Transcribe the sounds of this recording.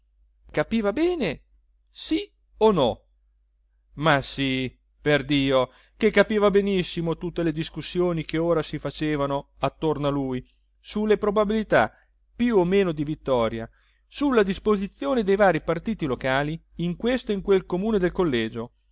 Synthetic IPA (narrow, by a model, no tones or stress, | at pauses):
kapiːvabɛːne | si | onɔ | masi | perd̪iːo | kekːapiːvabenisːimot̪ut̪ːeled̪iskusːjoːnikeoːɾasifat͡ʃeːvano | at̪ːornaluj | sulːepɾobabilit̪a | pjuomːeːnod̪ivit̪ːɔːɾja̰ | sulːad̪ispozit̪sːjoːned̪ejvaːɾipart̪iːt̪ilokaːliːŋkwest̪oiŋkwelkomuːned̪elkolːɛːd͡ʒo